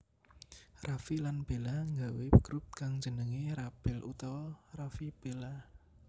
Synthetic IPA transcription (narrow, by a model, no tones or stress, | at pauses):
rafilanb̥e̤laŋɡawekɾup̪̚kaŋdd͡ʒ̥ə̤nəŋiɾab̥ɪlʔṵt̪ɔrafib̥ela